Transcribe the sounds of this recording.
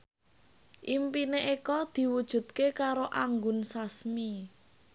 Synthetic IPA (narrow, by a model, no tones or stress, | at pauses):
ʔimpineʔekɔd̪̥i̤wud̥ʒ̥ṳd̪̚kekaɾoʔaŋɡʊnsasmi